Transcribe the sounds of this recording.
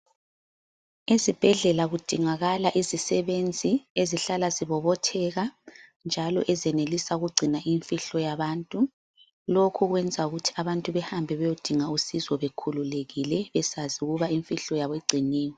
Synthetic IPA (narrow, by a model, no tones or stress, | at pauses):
ezib̥ʱɛɮɛlaɣud̥ʱiŋaɣalaʔizisɛβend͡zʱieziɬalaziβɔβɔtʰɛɣa | nd͡ʒʱalɔ̰ʔɛzɛnelisauɣuɡ͡ǀʱinaʔiɱfiɬɔjaβaːntʼu | lokʰuɣwɛnd͡zʱauɣutʰi̥aβantʼuβɛhambʱɛβɛjod̥ʱiŋausizɔβekʰululeɣilɛβɛsaziuɣuβaiɱfiɬɔjaβiɡ͡ǀʱiniːwɔ